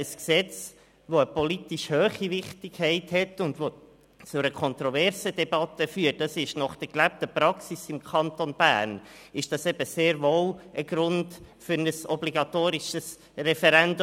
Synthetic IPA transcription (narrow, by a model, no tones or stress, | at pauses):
əsksɛt͡s | ʋoəpɔlitiʃhøːχiʋɪχtɪkhɛɪthɛtːʊndʋo | t͡sʊɾəkʰɔnt̪ɾɔvɛɾsədɛbɑt̪əfyːət̚dɑsɪʃnɑχd̥əɾklæp̚təpɾɑksisɪmkʰɑnt̪onb̥æ̰ːɾnɪʃd̥ɑsɛbəseːɾvowʔəɡ̥ɾʊndfʏɾnəsɔbliɡɑtoːɾiʃəs | rɛfɛɾɛnd